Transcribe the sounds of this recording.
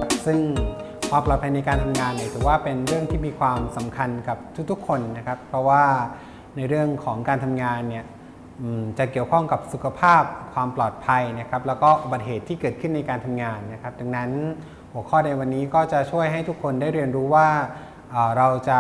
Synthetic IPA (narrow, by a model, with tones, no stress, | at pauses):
p̚sɯ˥˩ŋ | kwaː˧mplɔː˨˩pʰa˧jna˧jkaː˧nt̪ʰa˧mŋaː˧nːi˥˩t̪ʰɯː˨˩˦waː˥˩pe˧nɾɯ˥˩əŋt̪ʰiː˥˩miː˧kʰwaː˧msa˩˦mkʰa˧nka˨˩p̚t̪ʰu˦˥k̚t̪ʰu˦˥kʰːo˧nːa˦˥kʰa˦˥pʰːɾɔ˦˥waː˥˩ | na˧jɾɯ˥˩əŋkʰɔː˩˦ŋkaː˧nt̪ʰa˧mŋaː˧nːi˥˩ə | ʔɯː˨˩mt͡ɕa˨˩ki˨˩əwkʰɔ˥˩ŋka˨˩p̚su˨˩kʰa˧pʰaː˥˩p̚kʰwaː˧mplɔː˨˩t̪̚pʰa˧jna˦˥kʰa˦˥p̚lɛː˦˥wkɔː˥˩ʔu˨˩ba˨˩t̪̚ɦeː˨˩t̪ʰːiː˥˩kɤː˨˩t̪̚kʰɯ˥˩nːa˧jkaː˧nt̪ʰa˧mŋaː˧nːa˦˥kʰa˦˥p̚t͡ɕa˧ŋna˦˥n | hu˨˩əkʰɔː˥˩na˧jwa˧nːiː˦˥kɔː˥˩t͡ɕa˨˩t͡ɕʰu˥˩əjɦa˥˩jt̪ʰu˦˥kʰːo˧ndaː˥˩jɾi˧ənɾuː˦˥waː˥˩ | ʔaː˨˩ɾa˧wt͡ɕa˨˩